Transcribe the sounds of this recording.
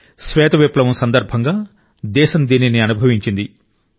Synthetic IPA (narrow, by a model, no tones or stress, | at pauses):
sʋɛːt̪ɐʋeplɐʋɐmsɐnd̪ɐɾbʱɐŋɡaː | d̪ɛːʃɐnd̪iːniniɐnubʱɐʋiɲt͡ʃind̪i